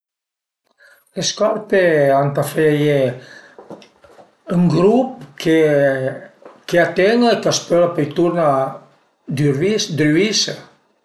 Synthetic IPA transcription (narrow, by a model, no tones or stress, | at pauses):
leskɔɾpeant̪afeje | əŋɡɾupkʰe | keat̪enekaspøɾapɔjt̪uɾna | d̪yɾisd̪ɾise